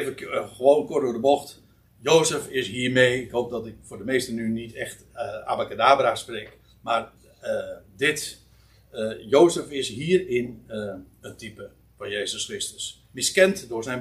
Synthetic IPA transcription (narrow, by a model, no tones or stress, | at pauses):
vəxəʋoːnkʊrtdʊːdəboxt | joːsəfɪsɦiːərmejɪkhowp̚dɔtɪkfʊdəmeːstənynitɛxt | a̰bakadaːbrasprek | mar | dɪt | jowsəfɪsɦiːərɪn | ətipə | fɔnjeːzəsxrɪstə̥s | mɪskɛntdʊsɛjn